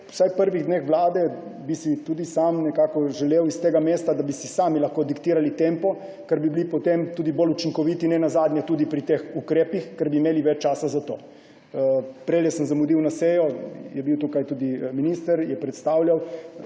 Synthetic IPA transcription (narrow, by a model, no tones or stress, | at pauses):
wsajpəɾʋiɣd̪nexʋlaːd̪ɛbisit̪ud̪isamnɛkaːkɔʒɛleːwist̪eːɡameːst̪ad̪abisisaːmilaxkod̪ikt̪iːɾalit̪empɔ | kɛɾbibilipɔt̪emt̪uːd̪ibolut͡ʃiŋkɔʋit̪inɛnazaːd̪nʲjɛt̪uːd̪ipɾit̪exukɾeːpixkɛɾbiːmeːliʋɛt͡ʃt͡ʃaːsazat̪oː | pɾeːljɛsəmzamud̪iwnaseːjɔjɛbiwt̪ukajt̪ud̪iminist̪əɾjɛpɾɛt̪st̪aːwljaw